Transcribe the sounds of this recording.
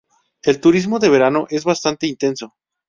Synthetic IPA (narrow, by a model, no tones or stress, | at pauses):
e̞lt̪uɾizmo̞ðe̞βe̞ɾano̞ʔe̞zβast̪ant̪e̞int̪e̞nso̞